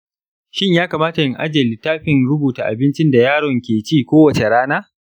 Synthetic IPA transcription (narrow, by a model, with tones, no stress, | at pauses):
ʃɪ˦ɲjaː˦kaː˨maː˦ta˨jɪ˦ŋʔa̰˦d͡ʒɐ˨li˨taː˦ɸɪ˦˨nɽʊ˦buː˨taː˨ʔa̰˨bɪ˦nt͡ʃɪ˦nda˨jaː˦˨ɽɔ˨ŋkʲeː˨t͡ʃiː˦˨kʷoː˦wɐ˨t͡ʃe˨ɽaː˦naː˦